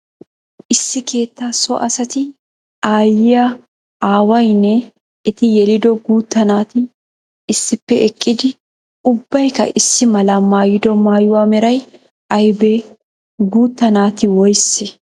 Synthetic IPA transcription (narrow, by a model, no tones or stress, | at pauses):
ʔɪsːɪke̞ːt̪ːaːsɔʔɐsɐt̪ɪ | aːjɪjɐ | aːwɐjnɛ | ɛt̪ɪjɛlɪd̪ɔɡuːt̪ːɐnaːt̪ɪ | ɪsːɪpːɛʔɛkʼːɪd̪ɪ | ʊbːɐjkɐ̰ʔɪsːɪmɐlamaːjɪd̪ɔmaːjʊwaːmɛɾɐj | ɐjbe | ɡuːt̪ːɐnaːt̪ɪwɔjse